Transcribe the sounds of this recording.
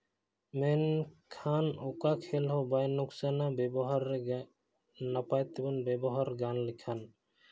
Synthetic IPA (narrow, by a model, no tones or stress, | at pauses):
menkʰanɔkakʰelɦɔbajnuksanabɛbɔɦaɾːe | napajt̪ebɔnbɛbɔɦaɾɡanlikʰan